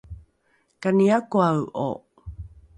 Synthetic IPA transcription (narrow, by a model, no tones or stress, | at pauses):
kaniakoawʔo̰